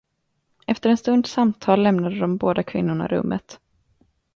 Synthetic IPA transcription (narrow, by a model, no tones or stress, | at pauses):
ʔɛft̪əɾɛnst̪ɵnd̪samt̪ʰɑːlːɛmnad̪əd̪ɔmboːd̪akʰvɪ̰nːʊɳa̰ɾɵ̰mːə̰t̪